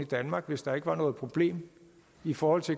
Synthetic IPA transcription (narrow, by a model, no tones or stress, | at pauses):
id̥ænmɑ̈ɡ̥ʋe̝sd̥ɑ̈e̝ɡ̥əʋɑ̈nɔ̽ːð̞̩ˠpʰʁo̝b̥le̝̰ːm | ifɒːhɒ̽l̰t͡sʰe̝